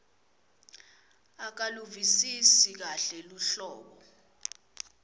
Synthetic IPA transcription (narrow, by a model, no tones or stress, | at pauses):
ak̬aluvisisik̬aɬɛluɬɔːɓ̬ɔ